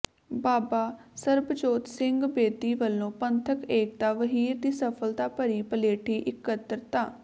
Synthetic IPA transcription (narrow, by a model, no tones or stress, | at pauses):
baːbaːsəɾbəd͡ʒoːt̪sɪŋɡbeːd̪iːʋəlːõːpənt̪ʰəkeːk̚d̪aːʋəɦiːɾd̪iːsəpʰəlt̪aːpəɾiːpəleːʈʰiːʔɪkːət̪əɾt̪aː